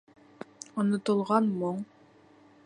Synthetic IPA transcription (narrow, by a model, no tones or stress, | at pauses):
ŏnŏt̪ɤ̆lˠʁɑnmoɴ